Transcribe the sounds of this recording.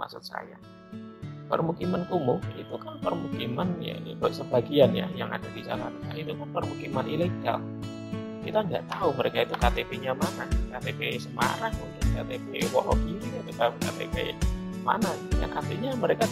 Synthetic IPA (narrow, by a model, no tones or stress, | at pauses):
ma̰sʊ̰t̪̚sa̰ja | pə̰rmukimankumʊkit̪ukanpərmukimanja̰dosəbaɡianja̰jaŋa̰dabid͡ʒa̰la̰nait̪ukanpərmukimanileɡa̰l | kḭt̪aŋɡa̰ʔt̪auməɾekait̪ukat̪epeɲamanakat̪epesəma̰ɾaŋukankat̪epewɔ̰lɔp̚inikait̪ukakat̪ḛpḛ | ma̰nakiuɲa̰kat̪eɲaməɾeka